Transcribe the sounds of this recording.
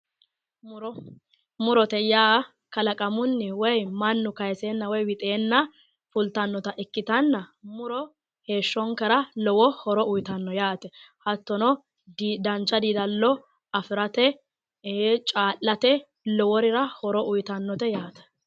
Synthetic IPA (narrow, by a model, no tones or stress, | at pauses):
mʊɾɔt̪ɛjaː | kɐlɐkʼɐmʊnːɪwɔjmɐnːʊkɐjseːnːɐwɔjwɪt̪ʼeːnːɐ | fʊlt̪ɐnːɔt̪ɐʔɛkːɪt̪ɐnːɐmʊɾɔ | he̞ːʃːɔŋkɐɾɐlɔwɔhɔɾɔʊjt̪ɐnːɔjaːt̪ɛhɐt̪ːɔnɔ | dd̪ɐnt͡ʃːɐd̪iːd̪ɐlːɔ | ɐfɪɾɐt̪ɛ | t͡ʃʼaːlːɐt̪ɛ | lɔwɔɾɪɾɐhɔɾɔʔʊjt̪ɐnːɔt̪ɛjaːt̪ɛ̥